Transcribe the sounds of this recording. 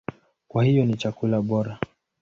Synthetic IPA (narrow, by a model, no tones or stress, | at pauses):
kwahijɔnit͡ʃakulaɓɔɾa